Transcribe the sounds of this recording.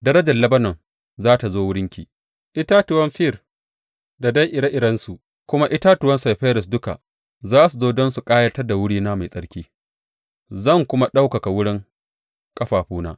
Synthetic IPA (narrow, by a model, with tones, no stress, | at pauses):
dɐ˦ɾɐ˦d͡ʒɐ˨lɐ˦bɐ˦nɔ˨n | zaː˦ta˨zoː˦wʊ˦ɽɪ˦ŋkʲḭː˨ | ʔɪ˦taː˦tʊ˨wɐ˦mɸɪ˦˨r | da˨da˦jʔɪ˨ɽa˦ʔɪ˨ɽɐ˦nsu˨ʔ | kʷʊ˦ma˦ʔɪ˦ta˦tʊ˨wɐ˦nsa˨jɸeː˦ɾɪ˨s̬dʊ˦ka̰˨ʔ | zaː˦su˨zoː˦dɔ˦nsu˨kʼaː˦jɐ˦tɐ˦rda˨wʊ˦ɽiː˦naː˦ma˨jsʼɐ˦ɽkʲiː˦ | zɐ˦˨ŋkʷʊ˦ma˦ɗa˦wkɐ˨ka˨wʊ˦ɽɪ˦ŋ | kʼɐ˦ɸaː˨ɸuː˦na̰ː˦